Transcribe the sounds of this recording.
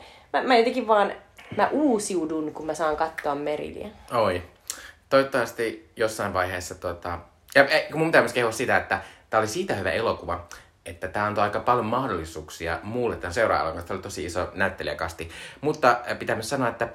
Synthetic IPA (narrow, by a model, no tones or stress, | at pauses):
mæmæot̪ekiʋʋɑːnmæʔuːsiudunkummæsɑːŋkɑt̪ːoɑmmerḭlḭæ̰oi | t̪oit̪ːɑʋɑst̪ijosːɑiʋʋɑiheːsːɑt̪uot̪ɑ | jɑkumumpit̪æmyskeuɑssit̪æet̪ːæt̪æːolisiːt̪æhyʋæ̰ʔelokuʋɑ | et̪ːæt̪æːɑnt̪oɑikɑpɑljomɑhdolːisuːksiɑ̰muːlːet̪ːænseurɑ̰ːlɑ̰ŋkɑnst̪æolit̪osiisonæyt̪ːeliæ̰kɑst̪imut̪ːɑpit̪æmːæsɑnoɑet̪ːæ